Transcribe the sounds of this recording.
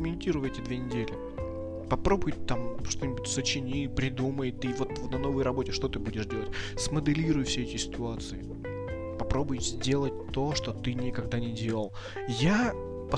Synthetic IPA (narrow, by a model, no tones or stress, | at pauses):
mʲɪnʲtʲiɾʊjɛtʲɪd̪vʲe̞nʲɪdʲelʲɪ | pɐpɾo̞bʊjt̪amʂt̪o̞nʲɪbʊtʲsət͡ɕɪnʲipɾʲɪd̪uməjt̪ɨvo̞t̪nɐno̞vəjrɐbo̞tʲɪʂt̪o̞t̪ɨbudʲɪʂdʲe̞lˠətʲsməd̪ɨlʲiɾʊjʊfsʲeɛtʲɪsʲɪ̥t̪ʊat̪sɨɪ | pɐpɾo̞bʊjzʲdʲe̞lˠət̚ʲt̪o̞ʂt̪o̞t̪ɨnʲɪkɐɡ̚d̪anʲɪdʲe̞lˠəlˠ | ja | pɐ